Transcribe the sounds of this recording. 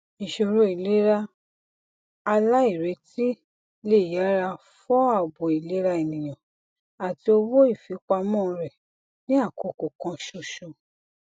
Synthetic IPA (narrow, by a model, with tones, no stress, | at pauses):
ĩ˨ʃo˧˨ɾo˧˦i˨le˦ɾa˧ | a˧la˦i˦˨ɾe˨˧˦ti˦ | le˦˨ja˨˦ɾa˧ | fɔ˦a˦˨bo˨i˨le˨˦ɾa˧e˨nĩ˨j̃ã˨ | a˨ti˧o˧wo˦i˦˨fi˨˦k͡pa˧mɔ̃˦˧ɾɛ˨ | nĩ˦a˦˨ko˨ko˨kã˧ʃo˧ʃo˧